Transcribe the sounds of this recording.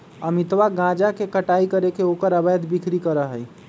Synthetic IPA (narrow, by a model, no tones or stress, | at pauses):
əmit̪ʋaɡãd͡ʒakekəʈaikəɾekeokəɾəbəjd̪bikʰɾikəɾəɦəj